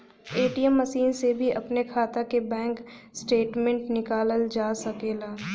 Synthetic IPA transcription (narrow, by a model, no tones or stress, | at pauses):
eːʈijəmːəʃiːnsebʱiʔɐpnekʰaːt̪akebɛ̃ːŋksʈeːʈmẽɳʈnɪkaːləld͡ʒaːsɐkeːlaː